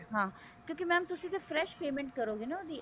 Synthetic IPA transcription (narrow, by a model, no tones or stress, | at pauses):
ɦãː | kjõːkimɛ̃ːmt̪ʊsĩːt̪efʰɾɛːʃpeːmɛ̃ɳʈkəɾoːɡenad̪iː